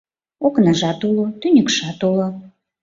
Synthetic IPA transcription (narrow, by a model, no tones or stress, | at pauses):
oknɑʒɑt̪ulot̪ynʲə̆kʃɑt̪ulo